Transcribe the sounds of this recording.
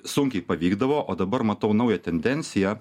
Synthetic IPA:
sʊŋʲkʲɛɪpɐʋʲiːɡd̪ɐʋoːʔoːd̪ɐbɐɾmɐt̪ɐʊnɐʊjɛt̪ʲɛnʲd̪ʲɛnʲsʲɪjɛ

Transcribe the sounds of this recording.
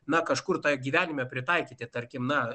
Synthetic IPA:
nɐkɐʃkʊrt̪oːjɡʲiːʋʲæːnʲɪmʲɛpʲɾʲɪt̪ɐɪkʲiːt̪ʲɪt̪ɐɾʲkʲɪmnɐ

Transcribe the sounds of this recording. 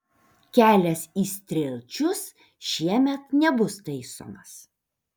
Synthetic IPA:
kʲæːlʲɛsiːsʲt̪ʲɾʲeːlʲt͡ʃʲʊs | ʃʲiɛmʲɛt̪nʲɛbʊst̪ɐɪso̰ːmɐs

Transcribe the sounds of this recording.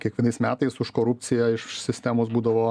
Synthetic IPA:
kʲiɛkʋʲɛnɐɪsmʲæːt̪ɐɪsʊʃkoːɾʊp̪̚ʲsʲɪjɛɪʃsʲɪsʲt̪ʲæːmoːs̬buːd̪ɐʋoː

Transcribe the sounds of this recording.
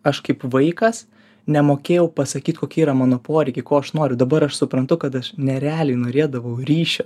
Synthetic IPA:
ɐʃkɐɪpʋɐɪkɐs | nʲɛmoːkʲeːjɛʊpɐsɐkʲiːt̪koːkʲiːiːɾɐmɑːnoːpoːɾʲɛɪkʲɪkoːɐʃnoːɾʲʊd̪ɐbɐɾɐʃsʊpɾɐnt̪ʊkɐt̪ɐʃnʲɛɾʲɛæːlʲɛɪnoːɾʲeɛd̪ɐʋɐʊɾʲiːʃʲɛ

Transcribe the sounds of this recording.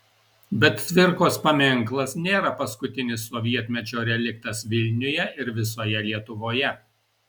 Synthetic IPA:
bʲɛt̪t̪ʲʋʲɪɾkoːspɐmʲɪŋˑklˠɐsnʲeːɾɐpɐskʊt̪ʲɪnʲɪsːɔʋʲiɛt̪ʲmʲɛt͡ʃʲoːɾʲɛlʲɪk̚t̪ɐsʋʲɪlʲnʲʊjɛɪɾʋʲɪsoːjɛlʲiɛt̪ʊʋoːjɛ

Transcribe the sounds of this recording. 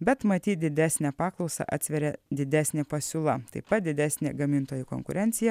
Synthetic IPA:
bʲɛt̪mɐt̪ʲiːt̪̚d̪ʲɪd̪ʲæːsʲnʲæpɑːklˠɒʊsɑ̰ʔɑ̰ːt̪sʲʋʲɛɾʲɛd̪ʲɪd̪ʲæːsʲnʲeːpɐsʲuːlˠɐt̪ɐɪpɐt̪̚d̪ʲɪd̪ʲæːsʲnʲḛːɡɐmʲɪnt̪oːjʊko̰ŋkʊɾʲʔɛnʲt̪sʲɪjɛ

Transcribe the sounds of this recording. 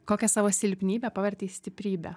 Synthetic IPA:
koːkʲɛsɑːʋoːsʲɪlʲpʲnʲiːbʲɛpɑʋʲɛɾʲt̪ʲeisʲt̪ʲɪpʲɾʲiːbʲɛ̰

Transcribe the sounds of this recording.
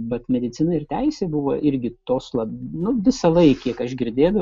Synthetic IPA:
bɐt̪mʲɛd̪ʲɪt͡s̪ʲɪnɐɪrt̪ʲæɪsʲeːbʊʋoːʔɪɾʲɡʲɪt̪oːslˠɐbnʊʋʲɪsɐlˠɐɪkʲiɛkɐʃɡʲɪɾʲd̪ʲeːd̪ɐ

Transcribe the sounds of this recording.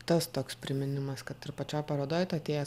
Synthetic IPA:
t̪ɐst̪oːkspʲɾʲɪmʲɪnʲɪmɐskɐt̪ɪɾpɐt͡ʃʲoːjpɐɾoːd̪oːjɛt̪ːɐt̪ʲeːjɛ

